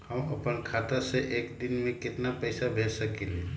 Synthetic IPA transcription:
hɐmɐpənkʰaːt̪aseʔeːkd̪ɪnmẽkɪt̪napɛːsabʱeːd͡ʒsɐkele

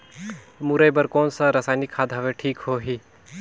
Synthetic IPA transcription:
muɾəjbəɾkoːnsaɾɐsaːnikʰːaːd̪ɦɐʋeʈʰiːkɦoːɦiː

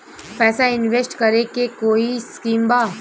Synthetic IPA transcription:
pɛːsaɪnʋesʈkɐɾekekoːiskiːmbaː

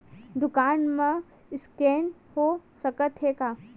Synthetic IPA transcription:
d̪ʊkaːnmẽ | ɪskeːnhosəkət̪ʰɦeːkaː

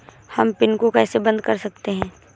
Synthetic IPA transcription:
hɐmpɪnkokɛːsebɐ̃nd̪kɐɾsɐk̚t̪eɦɛ̃ː

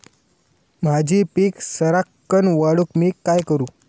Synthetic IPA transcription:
m̤ad͡ʑʱiːpiːksəɾakːənʋaɽukmiːkajkəɾuː

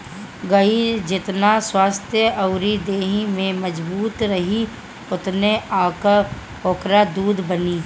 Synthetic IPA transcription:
ɡəid͡ʒɪt̪naswaːst̪ʰjəʔɐʊɾid̪eːɦimẽməd͡ʒbuːt̪ɾəɦi | ʊt̪neaːk | oːkɾad̪uːd̪ʱbəniː

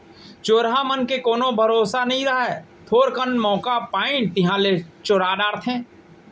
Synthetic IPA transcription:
t͡ʃoːɾɦamənkekoːnobʱəɾoːsanɐɦĩɾɐɦɛ | t̪ʰoːɾkənmɔːkapaːɪ̃t̪ɪɦãːlet͡ʃoːɾaːɖaːɾt̪ʰẽː

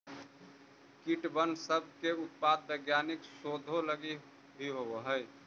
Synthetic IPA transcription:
kiʈbənsəb̚ʱkeʊt̪̚pad̪̚bəɡjaːnɪksoːd̪ʱoləɡi | bʱiɦoɦəɪ

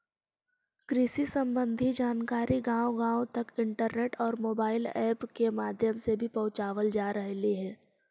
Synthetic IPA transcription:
kɾɪsisə̃mbə̃nd̪ʱid͡ʒaːnkaːɾʔiɡãːwoɡãːot̪ɐkɪ̃ɳʈəɾneːʈɔːɾmoːbaːɪlɛːpkemaːd̪ʱjəmsebʱipɐ̃ʊt͡ʃaːʋəld͡ʒaːɾəɦliɦɛː

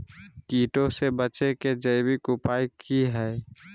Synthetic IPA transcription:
kiːʈõsebət͡ʃeked͡ʒəɪbikʊpaːikiɦɛː

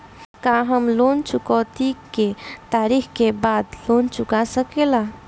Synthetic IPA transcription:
kãɦəmlont͡ʃukɔt̪iket̪aɾikkebad̪lont͡ʃʊkasəkela

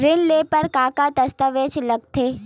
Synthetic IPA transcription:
ɾɪnleːpəɾkaːkat̪ɐst̪əʋeːt͡ʃlɐɡ̚t̪ʰeː

